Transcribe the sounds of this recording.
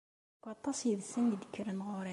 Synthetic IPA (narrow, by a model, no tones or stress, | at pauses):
kɑt̪ˤːɑsjəðsənjəd̪əkʰːəɾənʁʊɾæ